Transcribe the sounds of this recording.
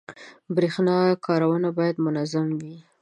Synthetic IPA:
bɾexnɑkʰɑɾawənabɑjad̪mʊnazamwi

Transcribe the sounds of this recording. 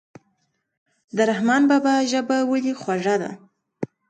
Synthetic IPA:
d̪əɾahmɑnbɑbaʒəbawəlixwaʐad̪a̰

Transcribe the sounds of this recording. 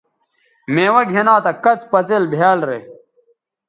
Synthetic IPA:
meːwɐɡʱenaːt̪ɐkɐt͡spɐt͡selbʱjaːlɾḛː

